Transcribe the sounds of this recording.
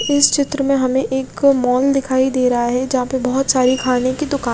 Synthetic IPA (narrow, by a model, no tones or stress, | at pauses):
ɪst͡ʃɪt̪ɾəmẽɦɐmẽʔeːkmɔːld̪ɪkʰaːid̪eːɾɐɦaɦɛd͡ʒɐɦãpɐbɐɦʊt̪saːɾikʰaːnekid̪ʊkaː